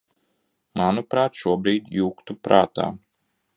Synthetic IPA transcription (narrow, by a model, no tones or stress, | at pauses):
manupɾaːt̪ʃuɔbɾiːd̪juːkt̪upɾa̰ːt̪a̰ː